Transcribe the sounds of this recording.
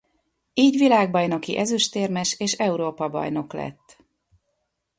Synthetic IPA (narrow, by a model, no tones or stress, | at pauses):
iːɟʋilaːɡ̚bɒjno̞kiʔɛzyʃt̪eːrmɛʃeːʃɛuɾoːpɒbɒ̰jno̞klɛ̰t̪ː